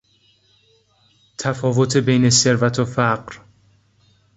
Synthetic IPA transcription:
t̪ʰæfɒːvo̞t̪ʰe̞be̞jne̞seɾvæt̪ʰofæɢɾ

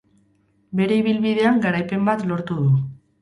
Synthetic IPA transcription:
be̞ɾe̞iβ̞ilβiðe̞aŋɡaɾajpe̞mbat̪lo̞ɾt̪uðu

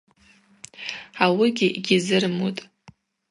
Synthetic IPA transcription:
awɪɡʲɪʔiɡʲɪzɨrmutʼ

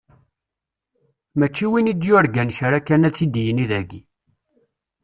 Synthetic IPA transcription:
mæt͡ʃːiwinid̪jʊɾɡænçɾakːænæt͡sːid̪jəniðæɡi

